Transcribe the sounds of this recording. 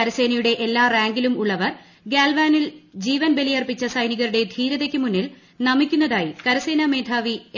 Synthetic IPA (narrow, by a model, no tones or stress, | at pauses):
ɐɾɐse̞ːnɐjuɽe̞ʔelːaːraːŋɡilumuɭːɐʋɐr | ɡaːlʋaːnild͡ʑiːʋɐnbe̞lijɐrpit͡ɕːɐsɐjniɣɐɾuɽe̞d̪ʱiːɾɐðekʲːɨmunːil | nɐmikʲːunːɐðaːjikɐɾɐseːnɐme̞ːd̪ʰʱaːʋi